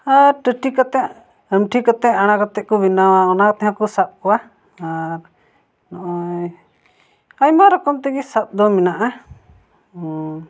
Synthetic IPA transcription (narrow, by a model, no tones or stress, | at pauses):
aɾʈəʈʰikɔt̪ɛʔ | əmʈʰikɔt̪ɛʔaɽ̃akɔt̪ɛʔ̚kɔbinawaɔnakɔt̪ɛɦãkɔsap̚kɔwa | aɾ | nɔʔɔj | ajmaɾɔkɔmt̪ɛɡɛsap̚d̪ɔminaʔa